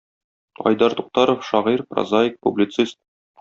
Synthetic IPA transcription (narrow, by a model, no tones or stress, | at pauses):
ɒ̰jd̪ɑɾt̪uq̚t̪ɑɾofʃɒʁiɾprɐ̰zaɪk̚publʲit̪sist̪̚